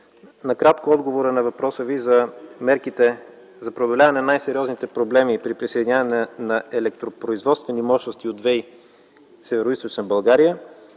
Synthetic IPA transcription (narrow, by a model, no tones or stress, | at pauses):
nɐkɾat̪koɔd̪ɡovoɾənɐvɐpɾɔsəvizəmɛɾkit̪ɛ | zɐpɾɛod̪olʲavɐnɛnnajsɛɾiɔznit̪ɛpɾoblɛmipɾipɾisəjd̪iɲʲavɐnɛnɐɛlɛk̚t̪ɾopɾoizvɔt̪st̪vɛnimɔʃnost̪iod̪vɛj | sɛvɛɾoist̪ot͡ʃnəbɐlˠɡaɾijə